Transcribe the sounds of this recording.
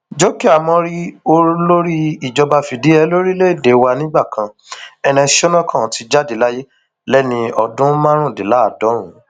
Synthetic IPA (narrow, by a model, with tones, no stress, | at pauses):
d͡ʒɔ˦ki˦a˦˨mɔ̃˧ɾi˦o˧˦lo˦ɾi˦i˨d͡ʒɔ˧ba˧fi˨di˨˦ɛ˧lo˦ɾi˦le˦i˨de˨˦wa˧nĩ˦ɡ͡ba˦˨kã˧ | ɛ˧ɾ̃ɛ̃˧ʃo˦nã˦kʰã˦˨ti˧d͡ʒa˦di˨˦la˦je˦ | lɛ˦nĩ˧ɔ˧dũ˦mã˦ɾ̃ũ˦˨de˨la˨˦a˨dɔ̃˨˦ɾ̃ũ˨˦